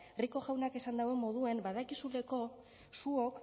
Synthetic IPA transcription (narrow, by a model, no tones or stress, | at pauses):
riko̞ɣawnake̞sand̪awe̞mo̞ð̞ue̞mbaðakisuleko̞ | suok